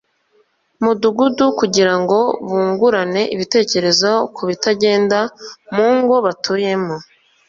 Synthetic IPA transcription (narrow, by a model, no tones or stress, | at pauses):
muduɡudukuɟiɾaŋɡo̞βuːŋɡuɾane̞ʔiβite̞ːce̞ɾe̞zokʰuβitaɟe̞ːndamuːŋɡo̞βatʰuːje̞mo